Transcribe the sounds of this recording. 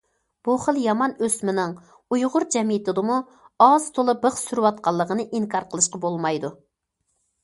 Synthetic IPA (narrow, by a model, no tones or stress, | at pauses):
b̥uχəlˠjɑmɑnøsmɪnɪŋ | ujʁʊɾd͡ʒɛmijɪt̪ɪd̪ɨmu | ɑz̥t̪ʰolˠɨbəχsyɾwɑt̪̚qɑlˠːəʁənɨʔiŋkʰɑɾqʰəlˠɨʃqɑbolˠmɑjd̪u